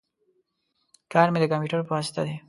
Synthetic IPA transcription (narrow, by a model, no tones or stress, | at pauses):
kɑːɾmed̪əkampjuʈəɾpəwɑsɪ̥t̪ad̪e